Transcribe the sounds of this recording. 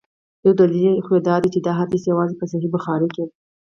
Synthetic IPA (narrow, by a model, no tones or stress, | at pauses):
j̪̥awd̪alilixwed̪ɑd̪it͡ʃed̪ɑɦat̪isjawɑzepəs̬aɦibʊxɑɾeke